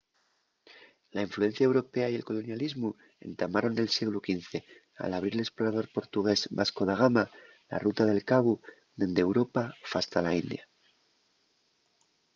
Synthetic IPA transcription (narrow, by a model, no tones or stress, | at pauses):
laiɱflue̞n̟θjaewɾo̞pe̞aje̞lko̞lo̞njalizmu | e̞̰nt̪amaɾo̞ne̞lsjeɣlukinθe̞ | a̰laβ̞ɾiɾele̞sploɾaðo̞ɾpo̞ɾt̪uɣ̞e̞zbasko̞ð̞aɣ̞ama | la̰rut̪að̞e̞lkaβu | ðend̪ewɾo̞pafast̪alaind̪ja